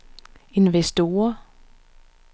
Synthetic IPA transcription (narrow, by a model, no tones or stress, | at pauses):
e̝nʋesd̥o̝ːɐ